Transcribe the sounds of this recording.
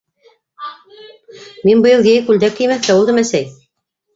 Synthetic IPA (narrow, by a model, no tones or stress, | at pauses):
minbɤ̆jɤlˠjæjkʉld̪ækːɘ̆jmæθkæulˠd̪ɤmæsæj